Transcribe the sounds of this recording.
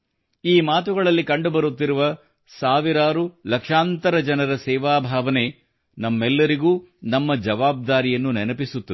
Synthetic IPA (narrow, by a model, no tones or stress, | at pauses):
iːmaːt̪uɡɐɭɐlːikɐɳɖubɐɾut̪ːiɾuʋɐ | saːʋiɾaːɾulɐkʂaːnt̪ɐɾɐd͡ʒɐnɐɾɐsɛːʋaːbʱaːʋɐne̞ | nɐmːɛlːɐɾiɡuːnɐmːɐd͡ʒɐʋaːb̚d̪aːɾijɐnːunɛnɐpisut̪ːu